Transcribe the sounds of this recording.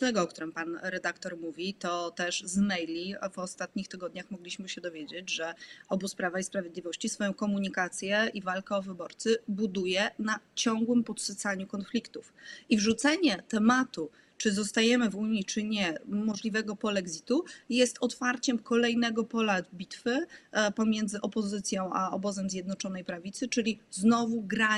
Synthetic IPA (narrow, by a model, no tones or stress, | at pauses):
t̪ɛɡɔkt̪uɾɛmpanɾɛd̪akt̪ɔɾmuvʲit̪ɔt̪ɛʂzmɛjlʲivɔst̪at̪̚ɲixt̪ɘɡɔd̪ɲaxmɔɡlʲiɕmɘɕɛd̪ɔvʲjed͡ʑed͡ʑʐɛɔbuspɾavaispɾavjed̪lʲivɔɕt͡ɕisfɔjɔ̃w̃kɔmuɲikat̪sʲjɛivalkaɔvɘbɔɾt̪sɘbud̪ujɛnat͡ɕɔ̃ŋɡwɘmpɔt̪sɘt̪saɲukɔnflʲikt̪ufivʐut̪sɛɲɛt̪ɛmat̪u | t͡ʂɘzɔst̪ajɛmɘvuɲit͡ʂɘɲɛmɔʐlʲivɛɡɔpɔlɛɡzʲit̪ujɛst̪ɔt̪faɾt͡ɕɛmkʰɔlɛjnɛɡɔpɔlabʲit̪fɘpɔmʲjɛnd̪zɘʔɔpɔzɘt̪sʲjɔ̃w̃ʔaɔ̰bɔzɛmzʲjɛd̪nɔt͡ʂɔnɛjpɾavʲit̪sɘt͡ʂɘlʲiznɔvuɡɾa